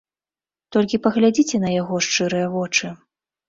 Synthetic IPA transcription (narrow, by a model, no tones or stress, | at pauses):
t̪ɔlʲkʲipɐɣlʲad͡zʲit͡sʲɛnɐjaɣɔʂt͡ʂɨɾɨjɐvɔt͡ʂɨ